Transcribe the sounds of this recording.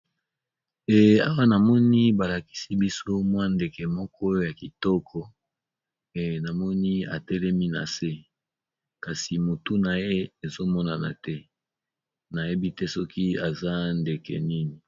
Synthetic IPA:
ɛ˨a̰˦wa˦na˨mɔ˦ni˦ba˨la˨ki̥˦si˦bi˦so˦mwa˦nde˨kɛ˨mɔ˦kʰɔ˦o˦ja˨ki˨tɔ˦kʰɔ˦˨ | na˨mɔ˦ni˦a̰˨tɛ˦lɛ˦mi˦na̰˨se˦ | ka˨si˨mo˨tu˦na˨je˦e˨zo˦mɔ˦na˨na̰˨tɛ˦ | na˨je˦bi˦tɛ˦sɔ˦ki˦a˨za˦nde˨kɛ̰˨ni˦ni˨

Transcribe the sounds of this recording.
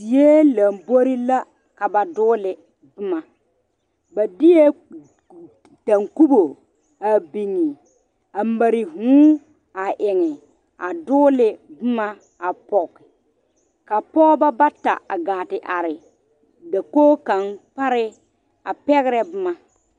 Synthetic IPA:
si˨je˦la˨mbo˦ɾi˦la˦ | ka˨ba˨dʊː˦lɪ˨ | bɪ˦ma˨ | ba˨dɪ˦je˦ | ta˨ŋku˦bo˨ | a˨bi˨ŋːi˨ | a˨ma˨ɾɪ˨ɦũː˦ | a˨ʔɪ˨ŋɪ˨ | a˨dʊː˦lɪ˨bɪ˦ma˦ | a˨pɔ˨kːɪ˨ | ka˨pɔ˦ba˦ba˦ta̰˨a̰˨ɡaː˨tɪ˨ʔa˨ɾɪ˨ | da˨koː˦ka˨npa˦ɾɪ˦ | a˨pɛ˦ɣɾɛ˦bɪ˦ma˨

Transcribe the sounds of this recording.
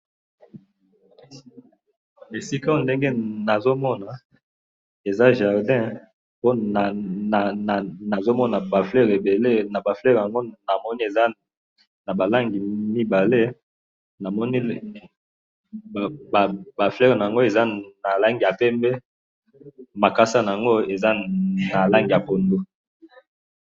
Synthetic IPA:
e˨si˦ka˦o˦˨nde˦ŋɡe˦na˨zo˦mɔ˦na˨ | e˨za˦ʒa˨ʁdɛ̃˦ | po˦n˨ | na˨zo˦mɔ˦na˨ba˨flɛ˦ʁe˨be˨le˦na˨ba˨flɛ˦ʁja˨ŋɡo˦na˨mɔ˦ni˦e˨za˦ | na˨ba˨la˦ŋɡi˨mi˦ba˨le˦ | na˨mɔ˦ni˦ | ba˨ba˨flɛ˦ʁna˨a˨ŋɡo˦e˨za˦na˨la˦ŋɡi˨ja˨pɛ˦mbɛ˦ | ma˨ka˦sa˦na˨a˨ŋɡo˦e˨za˦na˨la˦ŋɡi˨ja˨po˨ndo˦

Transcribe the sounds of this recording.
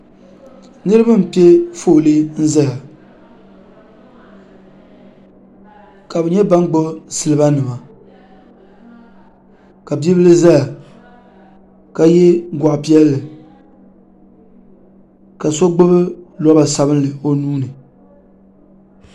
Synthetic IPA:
nɨ˦ɾɨ˦ba˦m̩˨pi˦ɛ˦fo˦˨lɨ˦n̩˦za˦ja˨ | ka˨bɨ˨ɲɛ˦ba˦n˦ɡ͡bo˦sɨ˨lɨ˨ba˦nɨ˨ma˨ | ka˨bi˦bɨ˦lɨ˦za˦ja˨ | ka˨jɛ˦ɡʷa˨ʔpi˦ɛ˦lːɨ˨ | ka˨so˦ɡ͡bɨ˦bɨ˦lɔ˦ba˨sa˦bɨ˦n˦lɨ˨o˨nuː˦nɨ˨

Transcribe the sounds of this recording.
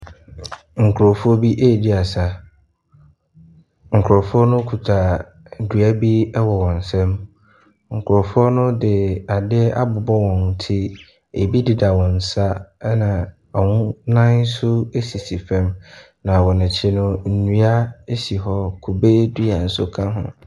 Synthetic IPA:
ŋ̩˨kʰɾɔ˨fɔ˦bi˦ʔe˦˨di˦a˨sa˦ | ŋ̩˨kʰʊ˨ɾɔ˨fʊ˦ɔ˦nʊ̃˦kʰu˨tʰa˨ | du˨a˦bi˦ɛ˦wɔ˨wɔ̃˨n̩˨sɛ̃˦m | ŋ̩˨kʰʊ˨ɾɔ˨fʊ˦ɔ˦nʊ̃˦dɪ˨a˨dɪ˦a̰˦bʊ˨bɔ˦wɔ̃˨n˨tʰɪ˦ | e˨bi˦dɪ˨da˨wɔ̃˨n̩˨sa˦nã˨ | a˨wʊ̃˦nã˦n˦sʊ˦e˦si˨si˨fɛ̃˦m | nã˨wɔ˨nɪ̃˨t͡ɕʰɪ˦nʊ̃˦n̩˨nũ˦a˦e˦si˨ɦɔ˦kʰu˨be˦du˦a˨n̩˨sʊ˦kʰã˦ɦʊ̰̃˨

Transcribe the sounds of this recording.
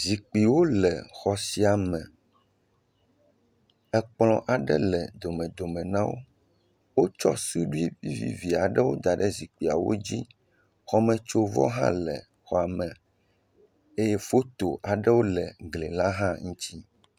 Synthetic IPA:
zi˨k͡pi˨wo˦lɛ˨xɔ˨si˨˦a˨mɛ̃˨ | ɛ˦k͡plɔ̃˦ʔa˨ɖɛ̰˦lɛ˨d̪o˨mɛ̃˨d̪o˨mɛ̃˨nã˦wo̰˦ | wo˦t͡ʃɔ̰˦su˦ɖu˦i˦vi˦vḭ˨vi˨a˨ɖɛ˦wo˦d̪a˨ɖɛ˦zi˨k͡pi˨a˨wo̰˦d͡ʑi˦ | xɔ˦mɛ̃˨t͡ʃo˦vɔ̰˦ɦã̰˦lɛ̰˨ | xɔ˨a˨mɛ̃˨ | e˦jɛ˦fo˦t̪o˨ʔa˨ɖɛ˦wo˦lɛ˨ɡle˨la˦ɦã˦ŋũ˦t͡ɕi˦

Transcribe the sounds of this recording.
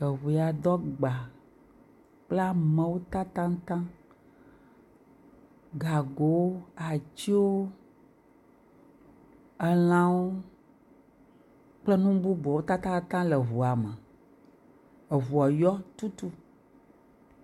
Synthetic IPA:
ə˨βu˨ja˨d̪ɔ˦ɡ͡ba˨ | k͡pla˦mɛ̃˦wo˦t̪a˦t̪ã˦ŋ˦t̪ã˦ | ɡa˨ɡo˨wo˦a˨t͡ɕi˦wo˦ | ə˨l̃ã˦wo˦ | k͡plə˦nũ˦bu˦bɔ˨wo˦t̪a˦t̪ã˦t̪ã˦lɛ˨ɦu˨a˨mɛ̃˨ | ə˨vu˨a˨jɔ˦t̪u˦t̪u˦

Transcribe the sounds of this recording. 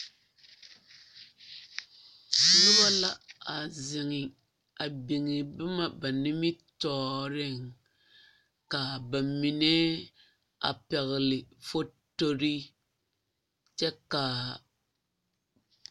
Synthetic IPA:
nʊ˦ba˦la˦a˨zɪ˨ŋɪ˨ | a˨bi˨ŋɪ˨bɪ˦ma˦ba˨nɪ˦mi˦tɔː˦ɾɪ˦ŋ | ka˨ba˨mi˨nɛ˦ | a̰˨pɛ˨ɣɪ˨lɪ˨fo˦to˦ɾi˦ | t͡ʃɛ˦ka˨

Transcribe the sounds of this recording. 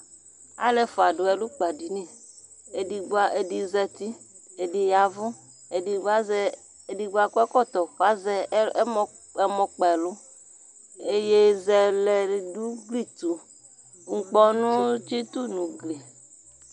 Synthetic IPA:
a̰˦le˨fo˨a˨ɖʊ˨ɛ˨lu˦k͡pa˨di˨nĩ˦˨ | e˨di˨ɡ͡ba˦ʔe˨di˨zɛ˦t̪i˦ | e˨di˨ja˨vʊ˦ | e˨di˨ɡ͡ba˦zɛ˦˨ | di˨ɡ͡ba˦kɔ˦ɛ˦kɔ˦˨t̪ɔ˨fa˦zɛ˦ | e˦mɔ̃˨k͡pɛ˨lʊ˦ | e˦je˦zɛ˨lɛ˨du˦ɡli˦t̪u˨ | ŋ̩˨k͡pɔ˦nũ˦t͡ʃi˦t̪u˦nũ˨ɡle˨

